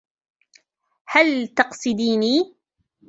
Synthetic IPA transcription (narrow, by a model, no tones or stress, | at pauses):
halt̪ɑqsˤɨd̪iːniː